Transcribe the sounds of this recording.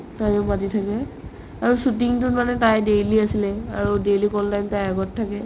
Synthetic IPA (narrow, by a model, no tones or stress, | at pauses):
tajʊmatitʰakɛ | aɹusutiŋtʊtmanɛtajdejliasilɛaɹudejlikɔltajmtajaɡɔtʰːakɛ